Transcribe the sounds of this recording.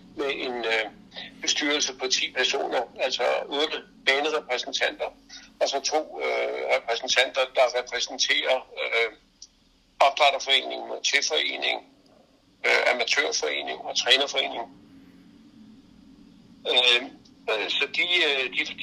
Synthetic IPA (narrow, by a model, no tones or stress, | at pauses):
meʔe̝nø | b̥e̝sd̥yːɐlsəpʰɒ̽t͡sʰḭːpʰæɐso̝̰ːnɐæl̰sɒ̽od̥ə | b̥ɛːnəʁɛpʰʁɛsn̩t͡sʰæn̰d̥ɐɒ̽sɒ̽t͡sʰo̝̰ːʁɛpʰʁɛsn̩t͡sʰæn̰d̥ɐd̥ɑ̈ʁɛpʰʁɛsn̩t͡sʰe̝̰ːɐ | ɒ̽b̥d̥ʁɑɾ̥ɐfɒ̽e̝̰ːne̝ŋ̩ɒt͡sʰefɒ̽e̝̰ːne̝ŋ | øæmæt͡sʰø̰ɐ̰fɒ̽e̝̰ːne̝ŋɒ̽t͡sʰʁɛːnɐfɒ̽e̝̰ːne̝ŋ | sɒ̽d̥id̥i̥